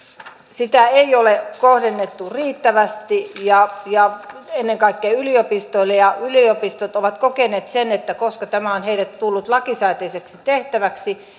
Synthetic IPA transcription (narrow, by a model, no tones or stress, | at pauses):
sit̪æeiolekohdenːet̪ːuriːt̪ːæʋæst̪ijɑjɑenːeŋkɑikːeːyliopist̪oilːejɑyliopist̪ot̪oʋɑt̪kokenˑeːt̪senet̪ːækoskɑt̪æmæonheilæt̪t̪ulːut̪lɑkisɑit̪eiseksit̪eht̪æʋæksi